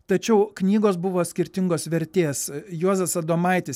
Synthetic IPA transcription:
t̪ɐt͡ʃʲɛʊknʲiːɡoːsbʊʋoːsʲkʲɪɾʲt̪ʲɪŋɡoːsʋʲɛɾʲt̪ʲeːsjuɔzʲɐsɐd̪oːmɐɪt̪ʲɪs

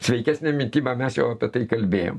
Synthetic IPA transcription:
sʲʋʲɛɪkʲæːsʲnʲeːmʲɪnʲt̪ʲiːbɐmʲɛsjɛʊɐpʲiɛt̪ɐɪkɐlʲbʲeːjo̰ːm

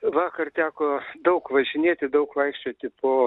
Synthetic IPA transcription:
ʋɑːkɐrt̪ʲæːkoːd̪ɐʊkʋɐʒʲɪnʲeːt̪ʲɪd̪ɐʊkʋɐɪkʃʲt͡ʃʲoːt̪ʲɪpoː

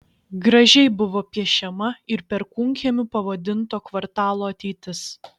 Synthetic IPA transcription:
ɡɾɐʒʲɛɪbʊʋoːpʲiɛʃʲɛmɐɪɾpʲɛɾkʊŋʲkʲemʲʊpɐʋɐd̪ʲɪnt̪oːkʋɐɾt̪ɑːlˠoːɐt̪ʲɛɪt̪ʲɪs

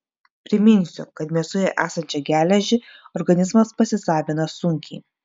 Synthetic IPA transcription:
pʲɾʲɪmʲɪnʲsʲʊkɐt̪mʲiɛsʊjɛʔæːsɐnʲt͡ʃʲɛɡʲæːlʲɛʒʲɪɔɾɡɐnʲɪzmɐspɐsʲɪsɑːʋʲɪnɐsʊŋʲkʲḭ

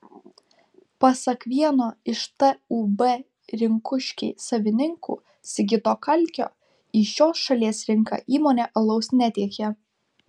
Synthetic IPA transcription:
pɐsɐkʋʲiɛnoːɪʃt̪ɐuːbɛ | ɾʲɪŋkʊʃʲkʲɛɪsɐʋʲɪnʲɪŋkṵː | sʲɪɡʲɪt̪oːkɐlʲkʲo̰ː | iːʃʲoːsʃɐlʲiɛsɾʲɪŋkɑ̰ʔiːmoːnʲeːʔɐlˠɒʊsnʲɛt̪ʲiɛkʲɛ

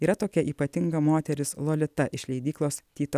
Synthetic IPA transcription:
iːɾɐt̪oːkʲɛʔiːpɐt̪ʲɪŋɡɐmoːt̪ʲɛɾʲɪslˠoːlʲɪt̪ɐʔɪʃʲlʲɛɪd̪ʲiːklˠoːst̪ʲiːt̪ɐ

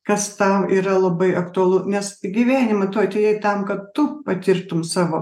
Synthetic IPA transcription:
kɐst̪ɐʊiːɾɐlˠɐbɐɪʔɐkt̪ʊɐlˠʊnʲɛsɡʲiʋʲæːnʲɪmɐt̪ʊɐt̪ʲejɛɪt̪ɐmkɐt̪t̪ʊpɐt̪ʲɪɾt̪ʊmsɑːʋoː

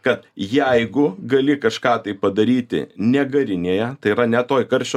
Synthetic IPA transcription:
kɐt̪jɛɪɡʊɡɐlʲɪkɐʃkɑːt̪ɐɪppɐd̪ɐɾʲiːt̪ʲɪ̰nʲɛɡɐɾʲɪnʲeːjɛt̪ɐɪiːɾɐnʲɛt̪oːjkɐɾʲʃʲoː

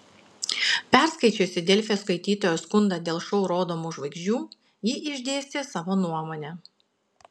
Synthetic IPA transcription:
pʲɛˑɾskɐɪt͡ʃʲoːsʲɪd̪ʲɛlʲfʲjoːskɐɪt̪ʲiːt̪oːjoskʊnd̪ɑd̪ʲeːlˠʃɔʊɾoːd̪oːmuːʒʋɐɪɡʒʲd͡ʒʲuː | jiːʔɪʒʲd̪ʲeːsʲt̪ʲeːsɑːʋoːnuɔmoːnʲɛ

